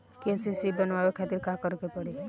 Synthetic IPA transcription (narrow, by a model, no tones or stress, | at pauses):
kesisibɔnaekʰat̪iɾkakɔɾukepɔɽi